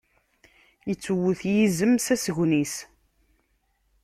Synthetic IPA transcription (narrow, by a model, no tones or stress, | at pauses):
jət͡sːuwʊθjizəmsæsʝnis